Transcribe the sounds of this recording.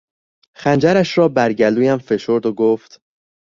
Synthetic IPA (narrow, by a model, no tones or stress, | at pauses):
xænd͡ʒæɾæʃɾɒːbæɾɟæluːjæmfe̞ʃo̞ɾd̪oɡoːft̪